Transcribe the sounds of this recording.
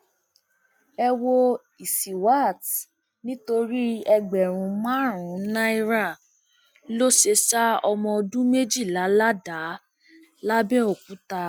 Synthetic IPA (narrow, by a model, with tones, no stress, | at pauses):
ɛ˧wo˧ | i˨si˨wa˦˨t | nĩ˦to˧ɾi˦ɛ˧ɡ͡bɛ˨ɾ̃ũ˨˦mã˦ɾ̃ũ˨˦nã˦i˦ɾa˦˨ | lo˦ʃe˧ʃa˦ɔ˧mɔ̃˧o˧dũ˦me˦d͡ʒi˦˨la˨˦la˦da˨˦ | la˦bɛ˦o˨kũ˨˦ta˧